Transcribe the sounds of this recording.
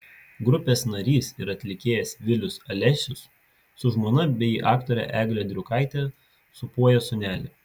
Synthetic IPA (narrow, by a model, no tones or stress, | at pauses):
ɡɾʊpʲeːsnɐɾʲiːsɪɾɐt̪ʲlʲɪkʲeːjɛsʋʲɪlʲʊsɐlʲɛʃʲʊs | sʊʒmoːnɐbʲɛiʔɑːkt̪oːɾʲɛ̰ʔæːɡlʲɛd̪ʲɾʲʊkɐɪt̪ʲɛ | sʊpuɔjɛsʊnʲæːlʲɪ